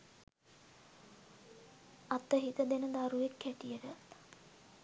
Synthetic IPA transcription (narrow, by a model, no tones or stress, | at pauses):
at̪ːəɦit̪əd̪enəd̪aɾuʋekːæʈijəʈə